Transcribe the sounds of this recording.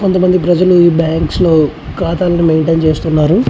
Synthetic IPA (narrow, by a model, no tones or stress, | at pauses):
kont̪ɐmɐnd̪ipɾɐd͡ʒɐluiːbjaːŋkslo̞ː | kaːt̪aːlɐnimeɳʈeːnt͡ʃe̞ːst̪unːaːɾu